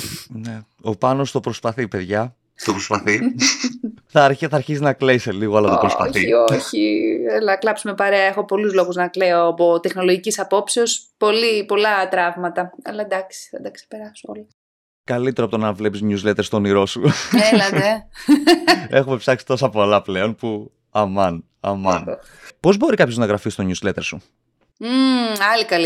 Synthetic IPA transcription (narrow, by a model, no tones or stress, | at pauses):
ne | o̞pɐnosu̥t̪o̞pɾospɐθipe̞ðʝɐ | t̪opɾospɐθi | θɐɾçθɐːɾçisinɐkleiseliɣoɐlɐt̪opɾospɐ̰θiioçielɐklɐpsume̞pɐɾeɐexo̞po̞luzlo̞ɣuznɐkleo̞ɐpo̞t̪e̞xno̞loʝicisɐpo̞pseo̞spo̞lipo̞lɐt̪ɾɐvmɐt̪ɐɐ̰lɐd̪ɐksi̥θɐd̪ɐksepe̞ɾɐsoo̰lɐ | kɐlit̪eɾoɐpot̪onɐnvle̞pisɲuzlet̪est̪o̞niɾo̞suelɐðe | exume̞psɐksi̥t̪o̞sɐpo̞lɐple̞o̞npu | ɐmɐn | ɐ̰mɐ̰n | po̞zbo̞ɾikɐpço̞znɐɣɾɐfist̪o̞ɲuzle̞t̪e̞ɾsṵ | ɐlikɐli